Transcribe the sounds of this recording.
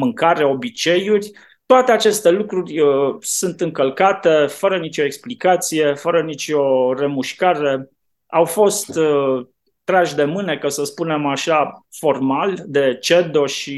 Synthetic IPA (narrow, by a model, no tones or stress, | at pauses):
mɨŋkaɾeo̞bit͡ʃe̞jurʲ | t̪oat̪e̞at͡ʃe̞st̪e̞lukɾurʲsunt̪ɨŋkəlkat̪e̞fəɾənit͡ʃo̞e̞ksplikat̪sije̞fəɾənit͡ʃʲo̞re̞muʃkaɾe̞ | awfo̞st̪ | t̪ɾaʃd̪e̞mɨne̞kasəspune̞maʃafo̞rmald̪e̞t͡ʃe̞d̪o̞ʃi